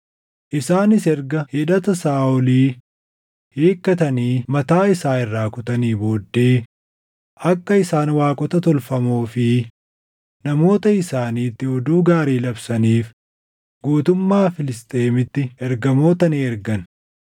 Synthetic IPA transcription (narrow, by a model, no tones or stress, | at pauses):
ʔɪsaːnɪsɛɾɡɐhɪᶑɐt̪ɐsaːʊliː | heːkːɐt̪ɐniːmɐt̪aːɪsaːɪrːaːkʊt̪ɐniːbo̞ːd̪ːe̞ː | ʔɐkːɐɪsaːnwaːkʼɔt̪ɐt̪ɔlfɐmoːfɪ | nɐmo̞ːt̪ɐɪsaːniːt̪ːɪɔd̪uːɡaːɾiːlɐbsɐniːf | ɡuːt̪ʊmːaːfɪlɪst̪ʼe̞ːmɪt̪ːɪɛɾɡɐmo̞ːt̪ɐniːɛɾɡɐn